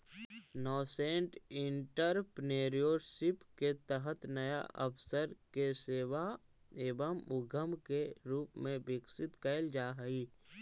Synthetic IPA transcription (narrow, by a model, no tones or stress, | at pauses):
nɔːsẽːɳʈɪɳʈəɾpneːɾijoːɾsɪpket̪əɦət̪nɐja̰ʔɐpʰsəɾkeseːʋaeːbəmʊɡʱəmkeɾuːpmẽbɪksɪt̪kəːld͡ʒaːɦəiː